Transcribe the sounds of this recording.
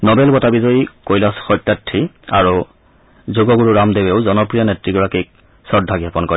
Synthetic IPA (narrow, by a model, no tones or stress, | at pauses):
nɔbɛlɡɔtabizɔjkojlɔsxɔjtːatʰːia̰ɹu | zuɡɔɡuɹuɹamdebeʊzɔnɔpɹijɔnetɹiɡɔɹakik̚ | sɔdʱaɡapɔnkɔɹi